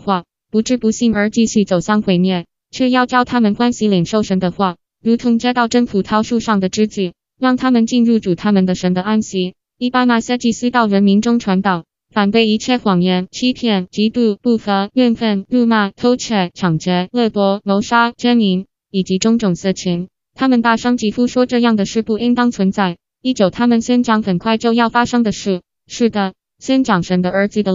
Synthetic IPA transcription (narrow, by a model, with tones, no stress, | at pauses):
xwa˥˩ | pu˧˥ʈ͡ʂɻ̩˥˩pu˧˥ɕi˥˩ŋə˞˧˥t͡ɕi˥˧ɕy˥˩t͡so˨˩ʊɕɑ˥˩ŋxwe˥ɪmjɛ˥˩n | t͡ɕʰɥɛ˥˧jɑ˥˩ʊt͡ɕjɑ˥ʊt̪ʰa˥mə˨nkwa˥nɕi˧˥li˨˩ŋʂo˥˩ʊʂə˧˥ŋd̪ə˧xwa˥˩ | ɻu˧˥t̪ʰʊ˧˥ŋt͡ɕja˥t̪ɑ˥˩ʊʈ͡ʂə˥nfʰu˨˩t̪ʰɑ˧˥ʊʂu˥˧ʂɑ˥˩ŋd̪ə˩ʈ͡ʂɻ̩˥t͡ɕy˥˩ | ɻɑ˥˩ŋt̪ʰa˥mə˨nt͡ɕi˥˧nɻu˥˩ʈ͡ʂu˨˩t̪ʰa˥mə˨nd̪ə˨ʂə˧˥d̪ə˧a˥nɕi˧˥ | li˥˩pa˥ma˨˩sɤ˥˧t͡ɕi˥˩sɹ̩˥t̪ɑ˥˩ʊɻə˧˥nmi˧˥nʈ͡ʂʊ˥ŋʈ͡ʂʰwa˧˥nt̪ɑ˨˩˦ʊ | fa˨˩nt̪we˥˩ɪi˧˥t͡ɕʰjɛ˥˩xwɑ˨˩ŋjɛ˧˥˩nt͡ɕʰi˥pʰjɛ˥˩nt͡ɕi˧˥t̪u˥˩pu˥˩xə˧˥ɥɛ˥˧nfə˥˩nlu˥˧ma˥˩t̪ʰo˥ʊt͡ɕʰɛ˥˩t͡ɕʰɑ˨˩ŋt͡ɕɛ˧˥lɤ˥˩t̪wɔ˧˥lo˧˥ʊʂa˥t͡ɕjɛ˥nli˧˥n | i˨˩t͡ɕi˧˥ʈ͡ʂʊ˧˥ŋʈ͡ʂʊ˨˩ŋsɤ˥˩t͡ɕʰi˧˥n | t̪ʰa˥mə˨nt̪a˥˩ʂɑ˥ŋt͡ɕi˧˥fu˥ʂwɔ˥ʈ͡ʂɤ˥˧jɑ˥˩ŋd̪ə˩ʂɻ̩˥˧pu˥˩i˥ŋt̪ɑ˥ŋt͡sʰwə˧˥nt͡sa˥˩ɪ | i˥˩t͡ɕjo˨˩ʊt̪ʰa˥mə˨nɕɥɛ˥nʈ͡ʂɑ˧˥ŋxə˨˩nkʰwa˥˧ɪt͡ɕjo˥˧ʊjɑ˥˩ʊfa˥ʂɤ˥ŋd̪ə˨ʂɻ̩˥˩ | ʂɻ̩˥˩d̪ə˩ | ɕɥɛ˥nʈ͡ʂɑ˨˩ŋʂə˧˥ŋd̪ə˧ə˞˧˥t͡sɹ̩˨˩d̪ə˧